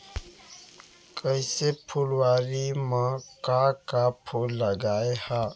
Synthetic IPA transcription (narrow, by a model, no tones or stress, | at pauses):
kəɪsepʰulwaːɾimãkakapʰulːəɡaːeha